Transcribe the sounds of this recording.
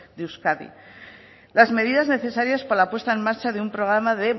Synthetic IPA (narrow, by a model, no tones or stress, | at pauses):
d̪euskaðḭ | lazme̞ðiðazne̞θe̞saɾjaspalapwe̞st̪ae̞maɾt͡ʃaðeumpɾo̞ɣ̞ɾamaðe̞